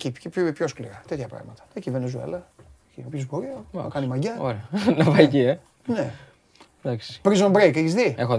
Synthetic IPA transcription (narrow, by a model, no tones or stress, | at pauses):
cipçoskliɾɐt̪et̪çɐpɾɐ̰ɣmɐt̪ɐ̥ecivenezuḛlɐciopçozboɾiɐɐ̰kɐnimɐʝɐoɾeɐnɐvɐicie | ne | d̪aksi̥pɾizombɾejkeçisðiexo